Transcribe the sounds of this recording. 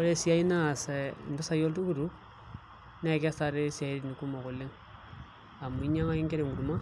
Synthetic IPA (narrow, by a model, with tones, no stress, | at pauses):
o˦ɾe˦sja˦i˦na˦˨se˨ndo˦sa˨jo˦ltu˦ku˦˨ɾu˦ | ne˦˨ka˦sa˨ɾe˦sia˨i˦ɾni˨ku˦mo˨ku˨le˦ŋ | a˨mu˨i˦ɲa˦ŋa˦i˦ŋɡe˦ɾe˨ŋɡu˨ɾu˨ma˦